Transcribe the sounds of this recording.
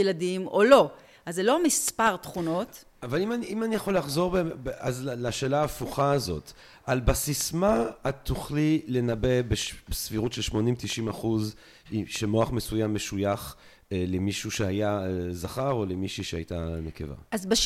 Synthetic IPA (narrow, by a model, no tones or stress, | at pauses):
ladimolo̞ | azelo̞amispaʁtχuno̞t | avalimaniʔimanijaχolːaχzo̞ʁbazlaʃe̞ːlaːfuχaːzo̞̰t | ʔalbasismaat̪uχlile̞nabe̞beʃbesfiʁutʃelʃmonimt̪iʃimaχuz | iʃemo̞aχmesujamːeʃujaχ | lemiʃuʃeajaezaχaʁo̞lemiʃiʃeajta̰nekḛva̰azbaʃ